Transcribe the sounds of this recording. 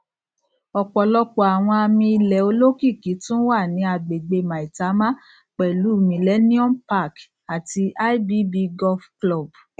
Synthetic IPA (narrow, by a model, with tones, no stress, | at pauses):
ɔ˨k͡pɔ˨lɔ˧k͡pɔ˨a˨w̃ɔ̃˧a˧mĩ˧i˧lɛ˨o˧lo˦ki˦˨ki˨˦tũ˦wa˦˨nĩ˨˧˦a˧ɡ͡be˨ɡ͡be˧mã˨i˨ta˨˦mã˦ | k͡pɛ˨lu˨˦˨mĩ˨lɛ˦nĩ˦ɔ̃˦mpa˦˨k | a˨ti˧ʔa˦i˦bi˦bi˧ɡɔ˦fklɔ˦˨b